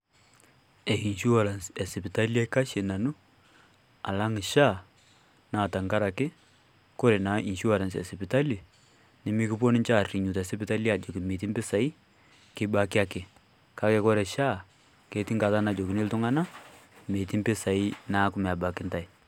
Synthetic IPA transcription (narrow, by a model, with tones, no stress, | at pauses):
ɛ˨ki˨nʃu˦wa˨ɾa˨nsɛ˨sɪ˨pɪ˨ta˦li˦a˦ka˦ʃe˨na˨nu˦ | a̰˨la˦ŋɪ˨ʃa˦˨ | naː˨ta˨ŋɡa˦ɾa˨kɪ˦ | kɔ˦ɾɛ˨na˨ʔi˨ʃu˦wa˨ɾa˨ns̬ɛ̰˨sɪ˨pɪ˨ta˦li˨ | nɪ˦mi˦kɪ˦p̬ɔ˦nɪ˦ɲt͡ʃa˦˨rri˨ɲu˨ta˨sɪ˦pɪ˦ta˦la˨d͡ʒɔ˨kɪ˨me˨ti˦mbɪ˦sa˨i˦ | kɪ˦ba˦kɪ˦a˦kɪ˨ | ka˦kɛ˨kɔ˦ɾɛ˨ʃa˦˨ | ke˦ti˦ŋɡa˨ta˦na˨d͡ʒɔ˨kɪ˨nɪ˦ltʊ˦ŋa˦na˦me˨ti˦mbɪ˦sa˨i˦na˦kʊ˦mɛ˨a˨ba˨kɪ˦nta˨i˨